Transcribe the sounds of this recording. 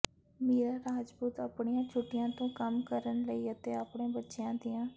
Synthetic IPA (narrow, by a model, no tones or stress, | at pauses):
meːɾaːɾaːd͡ʒbuːt̪aːpɳijãːt͡ʃʰʊʈːɪjãːt̪õːkəmkəɾənləiːət̪eːaːpɳẽːbətːʃɪjãːd̪ɪjãː